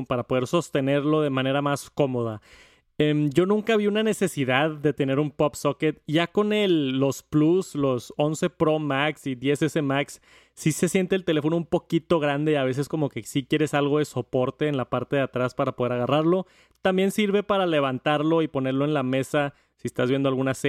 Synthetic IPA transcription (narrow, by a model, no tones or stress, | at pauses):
paɾapo̞ð̞e̞ɾso̞st̪e̞ne̞ɾlo̞ðe̞mãne̞ɾamasko̞mo̞ð̞a | emɟ͡ʝo̞nũŋkaβiunane̞se̞siðaðːe̞t̪e̞ne̞ɾumpo̞psoket̪ʝako̞ne̞lːo̞spluslo̞so̞nse̞pɾo̞maksiðje̞sese̞maksː | ise̞sje̞nt̪elt̪ele̞fo̞noumpo̞kit̪o̞ɣɾand̪eaβ̞e̞s̬e̞sko̞mo̞ke̞sikje̞ɾe̞salɣo̞ð̞e̞so̞po̞ɾt̪e̞ːnlapaɾt̪e̞ðeat̪ɾaspaɾapo̞ðe̞ɾaɣaraɾlo̞ | t̪ambje̞nsiɾβe̞paɾale̞βant̪aɾlo̞ipo̞ne̞ɾlo̞enlame̞sa | siest̪azβjend̪oalɣunase